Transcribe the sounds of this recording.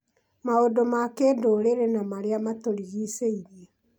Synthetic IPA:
maodomakeːdoːɾeɾenamaɾeamatoɾiɣiseiɾie

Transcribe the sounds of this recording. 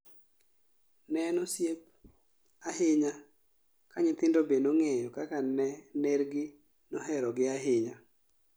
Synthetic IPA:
nɛnɔsjep̚ | ahɪɲa | kaɲɪt̪ɪndobenoŋɛjɔkakanɛneɾɡɪ | nɔɦɛɾɔɡɪaɦɪɲa

